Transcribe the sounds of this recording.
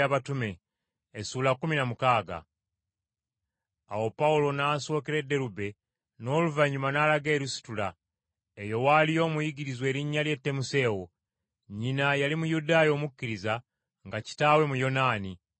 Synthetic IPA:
aβatume̞ː | suːlakuminamukaːɡa̰ | a̰wo̞paulo̞naːso̞ːkiɾe̞dːe̞ɾube̞ | no̞ːluvaɲumanaːlaɡe̞ːɾusi̥tula | ejo̞walijo̞ːmujiɡiɾizwe̞ːɾiɲːalje̞tːe̞muse̞ːwo | ɲinajalimujudaːjo̞ːmukːiɾiza | ŋɡaci̥taːwe̞mujo̞naːni

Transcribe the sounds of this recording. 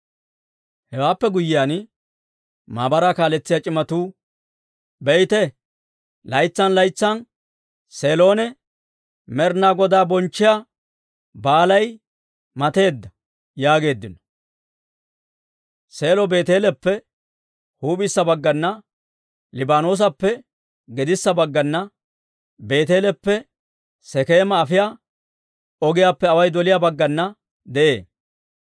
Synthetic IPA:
hɛwaːpːɛɡʊjɪjaːn | maːbɐɾaːkaːlɛt͡sːɪjaːt͡ʃʼɪmɐt̪uː | bɛjt̪ɛ | lɐjt͡sːɐnlɐjt͡sːɐn | seːlo̞ːnɛ | mɛɾnaːɡɔd̪aːbɔnt͡ʃːɪja | baːlɐj | mɐt̪e̞ːd̪ːɐ | jaːɡe̞ːd̪ːɪnɔ̥ | se̞ːlɔbe̞ːt̪eːlɛpːɛ | huːbɪsːɐbɐɡːɐnːɐ | lɪbaːnoːs̬ɐpːɛ | ɡɛd̪ɪsːɐbɐɡːɐnːɐ | be̞ːt̪eːlɛpːɛ | sɛkeːmɐːfɪjaː | ɔɡɪjaːpːɛɐwɐjd̪ɔlɪjabɐɡːɐnːɐ | d̪ɛʔḛː

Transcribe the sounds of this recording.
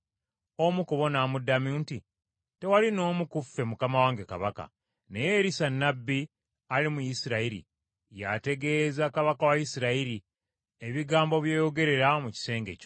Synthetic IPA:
o̞mukuβo̞namudːamunti | te̞walino̞ːmukufːe̞mukamawaːŋɡeka̰βaka̰ | ne̞je̞ɾisanːabːi | alimujisiɾaiɾḭ | ja̰te̞ɡe̞zakaβakawajisiɾaiɾi | e̞βiɡaːmbo̞βje̞ːjo̞ɡe̞ɾe̞ɾamuci̥se̞ːŋɡe̞co

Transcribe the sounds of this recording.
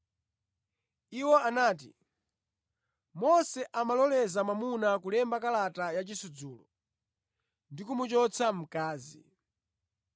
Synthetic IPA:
iwɔanaːtḭ | mɔsɛʔamalɔlɛzamamunakulɛmbakalatajat͡ʃisud͡zuːlɔ̰ | ndikumut͡ʃɔt͡sʰam̩kaːzi

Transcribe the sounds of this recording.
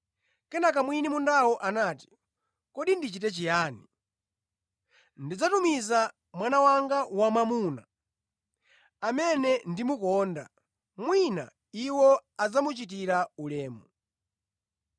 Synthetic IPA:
kɛnak̬amwinimundawɔʔanaːti̥ | kɔɗindit͡ʃitɛt͡ʃijaːni | ndid͡zatumiza | mwanawaŋɡawamamuna̰ | amɛnɛndimukɔːnda̰ | mwina̰ | iwɔad͡zamut͡ʃit̬iɾaulɛːmu

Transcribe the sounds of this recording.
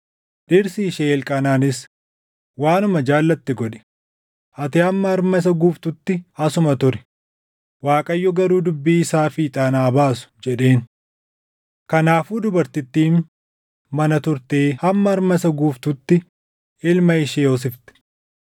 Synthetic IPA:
ᶑɪɾsɪːʃeːlkʼɐnaːnɪs | waːnʊmɐd͡ʒaːlːɐt̪ːɪɡɔᶑɛ̥ | ʔɐt̪ɪɐmːɐɐɾmɐs̬ɐɡuːft̪ʊt̪ːɪɐsʊmɐt̪ʊɾɛ̥ | waːkʼɐjːɔɡɐɾuːd̪ʊbːiːɪsaːfiːt̪ʼaːnaːbaːsʊ̥d͡ʒɛᶑe̞ːn | kɐnaːfuːd̪ʊbɐɾt̪ɪt̪ːiːn | mɐnɐt̪ʊɾt̪eːhɐmːɐːɾmɐsɐɡuːft̪ʊt̪ːɪ | ɪlmɐɪʃeːɔs̬ɪft̪ɛ̥

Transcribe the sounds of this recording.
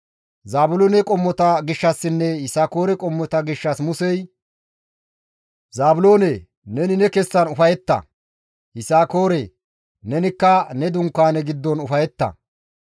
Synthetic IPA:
zaːbʊloːnɛkʼɔmːɔt̪ɐɡɪʃːɐsːɪnːɛhɪsaːko̞ːɾɛkʼɔmːɔt̪ɐɡɪʃːɐsmʊsɛj | zaːbʊlo̞ːne | nɛnɪnɛkɛsːɐnʊfɐjɛt̪ːɐ̰ | hɪsaːkoːɾɛ | nɛnɪkːɐnɛd̪ʊŋkːaːnɛɡɪd̪ːɔnʊfɐjɛt̪ːɐ̰

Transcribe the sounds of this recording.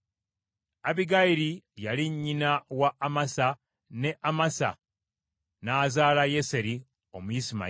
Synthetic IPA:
aβiɡaiɾijaliɲːinawaːmasa | ne̞ʔamasa̰ | naːzaːlaje̞se̞ɾi | omujisima̰

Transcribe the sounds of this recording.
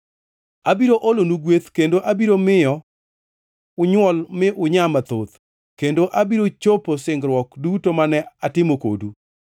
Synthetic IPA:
abiɾoʔolonuɡwet̪kendoʔabiɾomɪjɔ | ʊɲwɔlmɪʔʊɲamat̪o̰t̪ | kendoʔabiɾot͡ʃoposɪŋɡɾwɔkdutomanɛatɪmoko̰du

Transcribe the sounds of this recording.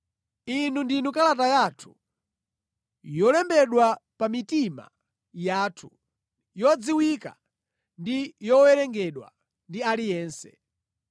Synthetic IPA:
inundinukalatajatʰu̥ | jɔlɛmbɛɗwapamitima̰ | jaːtʰu | jɔd͡ziwika̰ | ndijɔwɛɾɛŋɡɛɗwa̰ | ndialijɛːnsɛ

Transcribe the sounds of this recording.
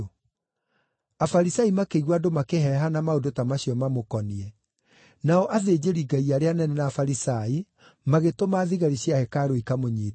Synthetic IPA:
afaɾisaimakeiɣwadomakeɦɛɦanamaodotamaɕijɔmamokɔniɛ | naɔʔaðeːd͡ʑeɾiɡaiaɾeanɛnɛnaːfaɾisai | maɣetomaːðiɣaɾiɕjahɛkaɾoikamoɲiːt

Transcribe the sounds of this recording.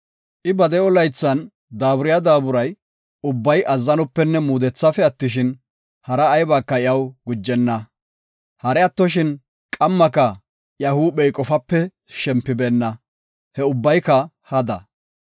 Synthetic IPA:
ʔɪbɐd̪ɛɔlɐjt͡sːɐn | d̪aːbʊɾɪjɐd̪aːbʊɾɐj | ʊbːɐjʔɐzːɐnɔpːɛnːɛmuːd̪ɛt͡sːɐfɛɐt̪ːɪʃɪn | hɐɾɐːjbaːkːɐɪjɐwɡʊd͡ʒːɛnːɐ | hɐɾɛɐt̪ːɔʃ̬ɪn | kʼɐmːɐkɐ | jɐhuːɓɛjkʼɔfɐpːɛ | ʃɛmpːɪbɛnːɐ | hɛʊbːɐjkɐ | hɐd̪ɐ̰

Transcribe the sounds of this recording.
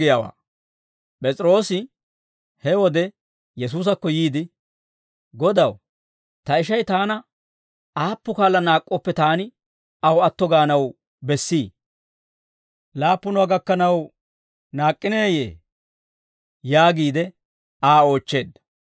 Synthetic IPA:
ɪjaːwa̰ː | pʼɛt͡sʼɪɾo̞ːsɪ | hɛwɔd̪ɛ | jɛs̬uːs̬ɐkːɔjiːd̪ɪ | ɡɔd̪ɐw | t̪ɐɪʃɐjt̪aːnɐ | aːpːʊkaːlːɐnaːkʼːɔpːɛt̪aːnɪ | ɐwɐt̪ːɔɡaːnɐw | bɛsːiː | laːpːʊnʊaɡɐkːɐnɐw | naːkʼːɪneːjḛː | jaːɡiːd̪ɛ | aːo̞ːt͡ʃːe̞ːd̪ːɐ̥

